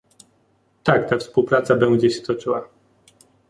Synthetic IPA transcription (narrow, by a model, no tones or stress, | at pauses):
t̪akt̪afspuwpɾat̪sabɛnd͡ʑɛɕɛ̥t̪ɔt͡ʂɘwa